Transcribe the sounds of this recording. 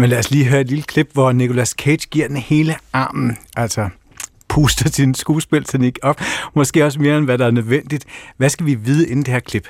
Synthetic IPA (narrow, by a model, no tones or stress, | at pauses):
menlæɐsliːɦøːɐed̥lilə̥kʰleb̥ʋɒnikʰo̝læskʰe̥ɡ̥iɐ̰d̥enhe̝ːləɑ̈ːmn̩ʔæl̰sɒ | pʰuːsd̥ɐsʰinsɡ̥uːsb̥e̝lt͡sʰeniɡ̥ɒ̽fmɒ̽sɡ̥e̝ːɒ̽sme̝ːɐenʋæɾɑ̈æɐnøðˠʋen̰d̥id̥ʋæsɡ̥æʋiʋiːð̞ˠəe̝n̩d̥e̝heɐ̰kʰleb̥